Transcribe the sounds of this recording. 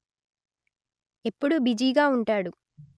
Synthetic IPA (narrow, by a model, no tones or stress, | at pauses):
e̞pːuɽubid͡ʒiːɡaːuɳʈaːɽu